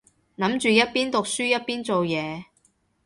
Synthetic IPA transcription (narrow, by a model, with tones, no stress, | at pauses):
nɐ˨˥mt͡ʃyː˨jɐ˥t̚piː˥nt̪ʊ˨k̚syː˥jɐ˥t̚piː˥nt͡so˨wjɛː˨˧